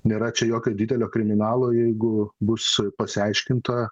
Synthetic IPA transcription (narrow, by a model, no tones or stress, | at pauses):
nʲeːɾɐt͡ʃʲɛjoːkʲoːdʲid̪ʲɛlʲoːkɾʲɪmʲɪnɑːlˠoːjɛɪɡʊbʊspɐsʲɪɐɪʃʲkʲɪnt̪ɐ